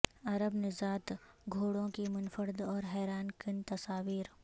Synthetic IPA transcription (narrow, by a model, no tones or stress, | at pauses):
ɐɾəbnɪzaːt̪ɡʱoːɽõkimʊnfəɾd̪ɔːɾɦɛːɾaːnkɪnt̪ɐsaːʋiːɾ